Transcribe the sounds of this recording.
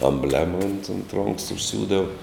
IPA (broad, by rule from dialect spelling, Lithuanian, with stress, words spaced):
ɐmʲˈbʲlʲæːmɐ ʊnt ʊnt roːŋks ʊʃʲˈsʲuːdɐw